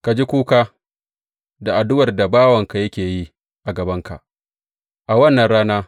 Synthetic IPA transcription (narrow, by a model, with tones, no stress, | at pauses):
ka˨d͡ʒi˦kʷuː˦kaː˦ | da˨ʔa˨dʊ˦wɐ˨rda˨baː˦wɐ˨ŋka˨jɐ˦kʲeː˨ji˦ | ʔa˨ɡɐ˨bɐ˦ŋka̰˨ʔ | ʔa˨wɐ˦nːɐ˨nɽaː˦naː˦